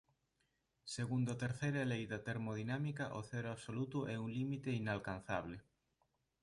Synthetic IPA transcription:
seɣund̪ot̪eɾθejɾɐaelejðat̪eɾmoð̞inamikɐʔoθɛɾoaβsolut̪uʔɛuŋlimit̪einalkan̟θaβle

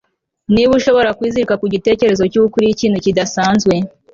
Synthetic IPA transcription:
niβuʃo̞βo̞ɾakwiːziɾikakuɟite̞ːce̞ɾe̞zo̞cukuɾijiciːn̤̥hucidasaːnzɡwe̞

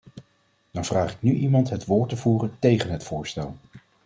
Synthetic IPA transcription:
d̥ɑnv̥raːχɪknyʔimɑntɦətʋʊːɹtəvuːrəntejχənɦətfʊːɹstɛlˠ

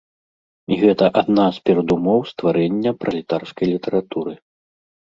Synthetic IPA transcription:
iɣɛt̪ɐʔad̪naspʲɛɾɐd̪umɔwst̪vaɾɛnʲːɐpɾɐlʲit̪arskɐjlʲit̪ɛɾat̪uɾɨ

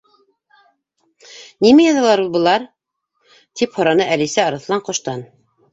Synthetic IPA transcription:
nimæjɑðɑlˠɑɾulˠbɤ̆lˠɑɾ | t̪iphŏɾɑnɤʔælisæɑɾɤ̆θlˠɑɴqŏʃt̪ɑn

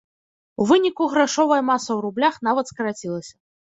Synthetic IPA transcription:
uvɨnʲikuɣɾaʂɔvɐjɐmasɐwɾublʲaxnavɐt̪skɐɾat͡sʲilˠɐsʲɐ

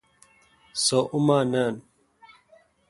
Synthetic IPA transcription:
soʔumaːnaːn

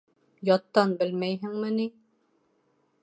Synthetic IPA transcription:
jɒt̪ːɑnbɘlmæjɦɘŋmɘni

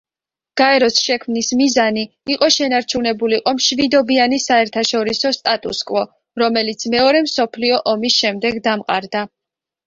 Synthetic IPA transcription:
ɡ̥aɛɾɔsʃɛkʰmnismizaniːqʼɔʃɛnaɾt͡ʃʰunɛbuliqʼɔmʃvid̪ɔbianisaɛɾt̪ʰaʃɔɾisɔst̪ʼat̪ʼṵskʼwɔ | ɾɔmɛlit̪sʰmɛɔɾɛmsɔpʰliɔʔɔmisʃɛmd̪ɛɡd̪amqʼa̰ɾd̪a

